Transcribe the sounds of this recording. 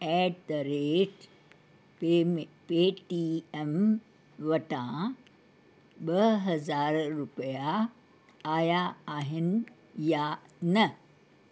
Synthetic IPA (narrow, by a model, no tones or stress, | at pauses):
ɛːɖt̪ɐɾeːʈ | peːʈiem | ʋɐʈã | ɓəɦɐzaːɾɾupəjaː | jaːɦin | janə